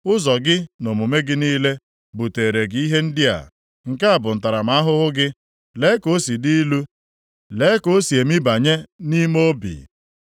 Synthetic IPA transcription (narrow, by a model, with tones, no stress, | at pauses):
ʊ˦zɔ˨ɡɪ˦no˨mu˨me˦ɡɪ˦niː˦le˦ | bu˨te˨ɾe˨ɡɪ˦i˦ɦe˦n̩˦dɪ˦a̰˨ | ŋ̩˨ka˦a˨bʊ˨n̩˨ta˨ɾa˨m̩˨a˦ɦʊ˦ɦʊ˦ɡɪ˦ | le˨˦ko˦si˨di˦lu˦ | le˨˦ko˦si˨e˨mi˦ba˨ɲe˦ni˦mo˦bḭ˨